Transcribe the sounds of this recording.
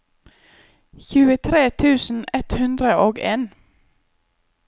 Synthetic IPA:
çʉːət̪ʰɾeːt̪ʰʉːsn̩ɛt̪hʉnd̪ɾəʔoːɡeːn

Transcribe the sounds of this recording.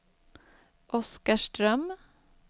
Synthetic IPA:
ʔɔskaʃʈɾœm

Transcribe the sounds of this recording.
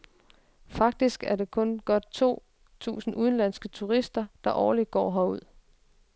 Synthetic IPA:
fɑ̈ɡ̥̚d̥isɡ̥æɐde̝kʰɔ̽nɡ̥ɒ̽d̥t͡sʰo̝̰ː | t͡sʰṵːsn̩ʔuð̞ˠn̩læn̰sɡ̥ət͡sʰuʁisd̥ɐd̥ɑ̈ʔɒːlid̥̚ɡ̥ɒ̰ːɦɒuð̞̰ˠ

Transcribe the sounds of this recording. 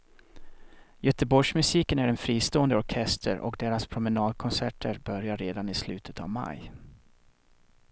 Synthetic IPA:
jœt̪əbɔʂmɵsiːkənæɾɛnfɾiːst̪oːənd̪əɔɾkʰɛst̪ʰə̰ɾʔɔ̰kd̪eːɾaspʰɾʊmənɑːd̪̚kʰɔnsæʈʰəɾbœɾjaɾeːd̪anɪslʉ̟ːt̪ʰə̥t̪a̰vma̰j

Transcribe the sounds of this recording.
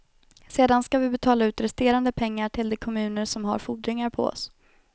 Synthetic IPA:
seːd̪anskavɪbɛt̪ʰɑːlaʉ̟ːt̪ɾɛst̪eːɾand̪əpʰɛŋːaʈʰɪld̪ɛkʰɔmʉ̟ːnəʂɔmɦa̰ɾfuːɖɾɪŋaɾpʰɔ̰ɔ̰s

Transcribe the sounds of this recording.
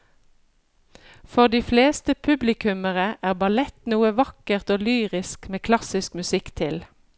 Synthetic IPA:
fɔʁd̪iːfleːst̪əpʰʉblɪkʉməʁəʔæːʁbɑlɛt̪nuːəʋɑkəʁt̪oːlyːʁɪskmeːkʰlɑsɪskmʉsɪkt̪ʰɪl

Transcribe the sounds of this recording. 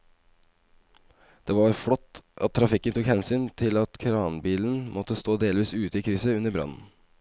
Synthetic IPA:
d̪̥eːʋɑɾfɽɔt̪ʔɑ̰t̪ʰːɾɑfɪkːənt̪ʰukhɛnsyːnt̪ʰɪlɑt̪kʰɾɑːnbiːln̩mʔɔt̪əst̪oːd̪eːlʋiːsʉːt̪əiːkʰɾʏsəʉnːəɾbɾɑ̰nn̩

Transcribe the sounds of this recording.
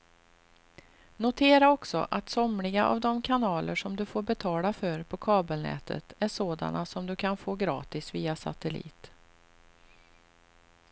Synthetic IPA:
nʊt̪ʰeːɾaɔksɔ̰ʔat̪sɔmlɪɡaʔa̰vd̪ɔmkʰanɑːləʂɔmd̪ɵfoːɾbɛt̪ʰɑːlafœɾpʰɔkʰɑːbəlnɛ̰ːt̪ʰə̰t̪æʂoːd̪a̰nasɔmd̪ɵkʰanfoːɡɾɑ̰ːt̪ɪsviːasa̰t̪ɛlḭːt̪

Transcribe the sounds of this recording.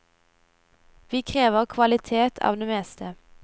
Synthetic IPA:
ʋiːkʰʁeːʋəʁkʰʋɑlɪt̪ʰeːt̪ʰɑ̰ːʋd̪eːmɛːst̪ə

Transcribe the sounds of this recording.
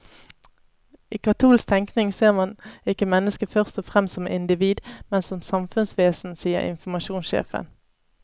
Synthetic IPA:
iːkʰɑt̪ʰuːlsk̚t̪ʰɛŋknɪŋseːʁmɑnɪkəmɛnːəskəfœʁst̪ɔfʁɛmssɔmʔɪnd̪ɪʋiːd̪mɛnsɔmsɑmfʉnsʋeːsn̩siːə̰ʁɪ̰nfɔmɑʃuːnsʃḛːfə̰n

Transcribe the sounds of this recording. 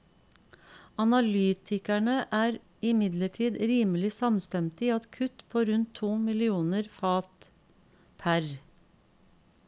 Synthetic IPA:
ɑnɑlyːt̪ʰɪkæɳəʔæːɾ | ɪmɪd̪ləʈʰiːd̪ɾiːməlɪsɑmst̪ɛmt̪iːɑt̪kʰʉt̪pʰoːɾʉnt̪ʰːuːmɪlɪuːnəɾfɑːt̪ | pʰæɾ

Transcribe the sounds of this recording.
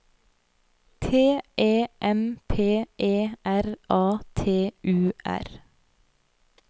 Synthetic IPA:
t̪ʰeːʔeːʔɛmpʰeːʔeːʔæɾʔɑːt̪ʰeːʔʉːʔæ̰ɾ

